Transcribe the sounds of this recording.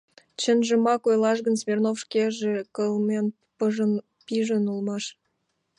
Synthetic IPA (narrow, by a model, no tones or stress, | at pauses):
t͡ɕə̆nʒə̆mɑkojlˠɑʃ̬ɣə̆nsmʲernofʃkʲeʒĕkəlˠmen | pəʒən | piʒə̆nulˠmɑʃ